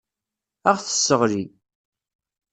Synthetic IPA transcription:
æʁθə̥sːəʁɾi

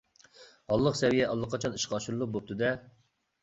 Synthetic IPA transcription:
hɑlˠːəqsɛvijɛʔɑlˠːəqʰːɑt͡ʃʰɑniʃqɑːʃuɾɨlˠuq̚bop̚t̪ɨd̪ɛ

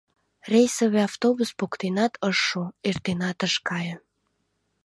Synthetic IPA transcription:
rʲejsoβeɑft̪obuspokt̪enɑt̪ʰəʃːuert̪enɑt̪əʃkɑjə

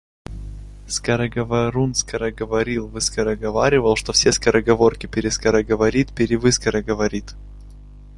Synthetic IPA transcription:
skɐɾəɡɐvɐɾunskəɾəɡəvɐɾʲilˠvɨskəɾəɡɐvaɾʲɪvəlˠʂt̪ofsʲeskəɾəɡɐvo̞rkʲɪpʲɪɾʲɪskəɾəɡəvɐɾʲit̪pʲɪɾʲɪvɨskəɾəɡəvɐɾʲit̪

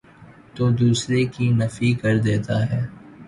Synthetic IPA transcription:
t̪oːd̪uːsɾekinɐfikɐɾd̪eːt̪aɦɛː

